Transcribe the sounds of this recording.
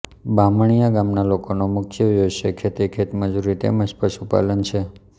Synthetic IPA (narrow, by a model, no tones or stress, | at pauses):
baməɳ̃ijaɡamnalokonomʊkʰjəjoʃekʰet̪ekʰet̪məd͡ʒuɾit̪ḛmə̃d͡ʒpəʃupa̰lənt͡ʃʰe